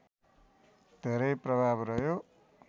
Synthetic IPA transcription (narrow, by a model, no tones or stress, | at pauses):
d̪̥ʱeɾʌjprʌbʱabrʌjo